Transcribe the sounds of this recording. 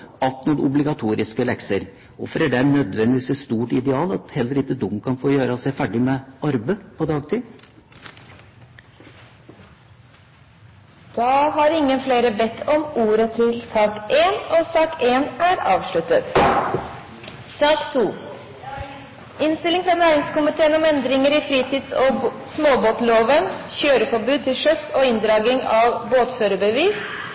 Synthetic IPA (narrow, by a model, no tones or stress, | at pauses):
ɑlt̪nuɾʔʊ̰blɪɡɑt̪ʰuːɾɪskəlɛksəɾ | ɔ̰fɔɾæɖɛænœd̪ʋɛnd̪ɪsəst̪uːʈɪd̪ɛɑːlɑt̪hɛlːəɾɪt̪ːəd̪ʊmkʰɑnfoːjøːɾəsæɪfæɖɪmɛɑɾbəpʰɔd̪ɑːɡt̪ʰiː | d̪̥ɑːɦɑɾɪŋːənfleːɾəbɛt̪ʰːɔmuːɾət̪ʰɪlsɑːkʔeːnoːsɑːkeːnæːɾɑ̰ːʋʂɭʉt̪ət̪ | sɑːkt̪ʰuː | ʔɪnst̪ɪlɪŋfɾɑːnæːɾɪŋskʊmɪt̪ʰeːənɔmɛnd̪ɾɪŋəɾiːfɾiːt̪ʰiːd̪soːsmoːboːt̪loːʋənçøːɾəfɔbʉːd̪̚t̪ʰɪlʂœsoːɪnd̪ɾɑːɡɪŋɑːʋboːt̪føːɾəbəʋiːs